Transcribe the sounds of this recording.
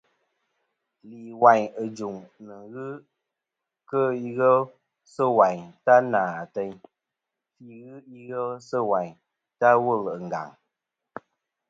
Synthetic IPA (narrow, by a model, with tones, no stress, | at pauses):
li˨wa˨ɲə˨d͡ʒu˨ŋnɨ˨ɣɨ˦ | kə˦i˦ɣə˦l | sə˦˨wa˨ɲta˦naː˨a˨tə˧ɲ | fi˦ɣɨ˦i˦ɣə˦lsə˦wa˨ɲ | ta˦wə˦˨lə˨ŋ˨ɡa̰˨ŋ